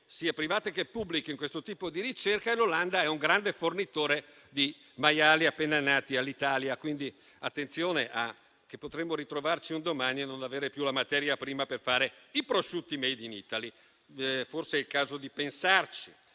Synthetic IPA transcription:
siːapɾivaːt̪ekepːublikeŋkwest̪ot̪iːpod̪iɾit͡ʃerkaeloland̪aɛuŋɡɾand̪efornit̪oːɾe | d̪i | majaːliapːenanːaːt̪ialːit̪aːljakwind̪i | at̪ːent̪sjoːneʔa | k̟epːot̪ɾemːoɾit̪ɾovart͡ʃiund̪omanienonaveːɾepjulamat̪ɛːɾjapɾiːmaperfaːɾeipɾoʃut̪ːimɛjd̪inḭːt̪ali | forseɛlkaːzod̪ipensart͡ʃi̥

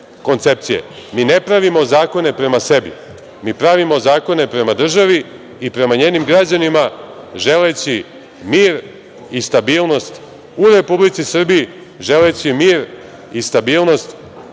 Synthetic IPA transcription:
ko̞nt̪se̞p̚t̪sije̞̰miːne̞pɾaʋimo̞zaːko̞ne̞pɾe̞mase̞bḭ | miːpɾaʋimo̞zaːko̞ne̞pɾe̞mad̪r̩ʒaʋi | ipɾe̞maɲe̞ːnimɡɾad͡ʑanimaʒe̞let͡ɕi | miːɾ | ist̪abiːlˠno̞st̪ | uɾe̞publit̪sisr̩biji | ʒe̞le̞t͡ɕimiːɾ | ist̪abiːlˠno̞st̪

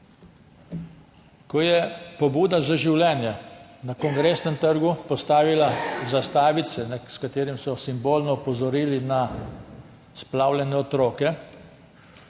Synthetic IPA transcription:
kɔjɛpɔbuːd̪azaʒiwlʲɛːnjɛnakɔŋɡɾesnɛmt̪əɾɡupɔst̪aːʋilazast̪aːʋit̪sɛnaskat̪eːɾimsɔsimboːlnɔupɔzɔɾiːlina | splaːwlʲɛnɛɔt̪ɾɔːkɛ

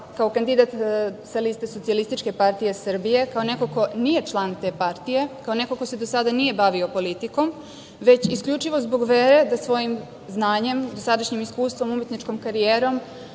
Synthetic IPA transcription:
kaokand̪id̪at̪salist̪esot̪sialist̪it͡ʃke̞paɾt̪ije̞sr̩bije̞kao̞ne̞koko̞nije̞t͡ʃlˠant̪e̞ːpaɾt̪ije̞kao̞ne̞koko̞sed̪osad̪anije̞baʋio̞po̞lit̪iko̞m | ʋe̞t͡ɕiskʎut͡ʃiʋo̞zbo̞ɡʋeɾe̞d̪asʋo̞jim | znaːɲe̞md̪osad̪aʃɲimiskuːst̪vʋo̞mumet̪nit͡ʃko̞mkaɾijeːɾo̞m

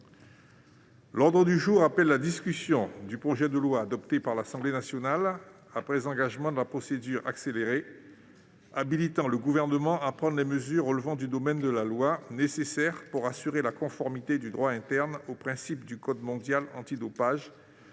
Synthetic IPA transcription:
lɔʁd̪ʁəd̪yʒuːʁapɛlːad̪iskʲysjɔ̃d̪ypχɔʒɛd̪əlwaːd̪ɔpt̪epaʁlasɑ̃blenasjɔnal | apχɛzɑ̃ɡaʒmɑ̃d̪əlapχɔsed̪yʁa̰kseleʁe | abilit̪ɑ̃ləɡuvɛʁnəmɑ̃ʔapχɑ̃d̪ʁlɛməzyʁələvɑ̃d̪yd̪ɔmɛnd̪əlalwanesesɛʁpuʁasyʁelakɔ̃fɔʁmit̪ed̪yd̪ʁwaɛ̃t̪ɛʁnopχɛ̃sip̚d̪ykɔd̪mɔ̃d̪jalɑ̰̃t̪id̪ɔpaʒ

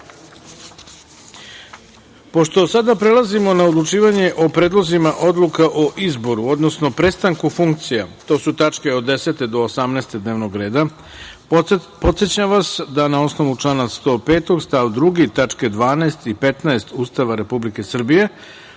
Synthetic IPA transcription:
po̞ʃt̪o̞sad̪apɾe̞lˠazimo̞naod̪lˠut͡ʃiːʋaɲe̞ʔo̞pɾeːd̪lˠozimaʔo̞d̪lukaʔoʔizbo̞ɾuo̞d̪no̞sno̞pɾe̞st̪aŋkufuŋk̚t̪sijat̪o̞ːsut̪at͡ʃke̞od̪e̞se̞t̪e̞d̪o̞ːsamnɛːst̪e̞d̪neːʋno̞ɡɾe̞ːd̪a | po̞t̪set͡ɕaʋasd̪anao̞sno̞ʋut͡ʂlˠaːnast̪o̞ːpeːt̪o̞ɡst̪aʋd̪ɾuɡit̪at͡ʂked̪ʋaːnaest̪ipe̞t̪naest̪uːst̪aʋaɾe̞publike̞sr̩bije̞

